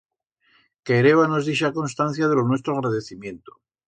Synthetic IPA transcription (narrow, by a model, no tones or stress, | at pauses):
keɾe̞βanozðiʃako̞nst̪an̟θjaðe̞lonwe̞st̪ɾoɣ̞ɾaðeθimjẽ̞nt̪o̥